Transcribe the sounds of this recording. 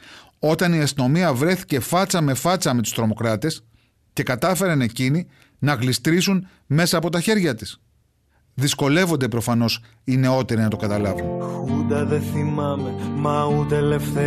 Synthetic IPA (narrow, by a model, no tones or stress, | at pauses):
o̞t̪ɐniɐst̪ino̞miɐvɾe̞θi̥ce̞fɐt͡sɐme̞fɐt͡sɐme̞t̪ust̪ɾo̞mo̞kɾɐt̪e̞s | ce̞kɐt̪ɐfe̞ɾɐne̞cini | nɐɣlist̪ɾisun | me̞sɐːpo̞t̪ɐçe̞ɾʝɐt̪is | ðisko̞le̞vo̞nd̪e̞pɾo̞fɐno̞s | ine̞o̞t̪e̞ɾinɐt̪o̞kɐt̪ɐlɐvunxud̪ɐðeθimɐmemɐud̪elefte